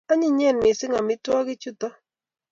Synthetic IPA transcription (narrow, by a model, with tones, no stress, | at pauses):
a˦ɲɪ˦˨ɲɛ˦˨nmɪ˨sɪ˦ŋa˨mɪ˦twɔ˦ɡɪ˦t͡ʃu˦tɔ˦